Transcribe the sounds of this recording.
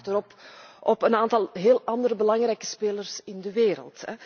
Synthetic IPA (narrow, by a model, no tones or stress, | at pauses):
təɾɔpʔɔpənaːntɑlˠɦeːlˠɑndəɾəbəlɑŋrɛjkə̥speːlərsɪndəʋeːɾə̰lˠtɛ